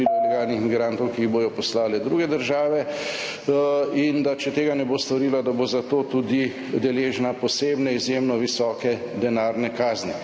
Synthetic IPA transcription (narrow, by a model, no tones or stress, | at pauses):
illɛɡaːlnixmiɡɾaːnt̪ɔwkiːɣboːjɔpɔslaːlɛd̪ɾuːɡɛd̪əɾʒaːʋɛ | ind̪at͡ʃɛt̪eːɡanɛboːst̪ɔɾiːlad̪abozat̪oːt̪ud̪i | d̪ɛleːʒnapɔseːbnɛizjemnɔʋisɔːkɛ | d̪ɛnaːɾnɛkaːzni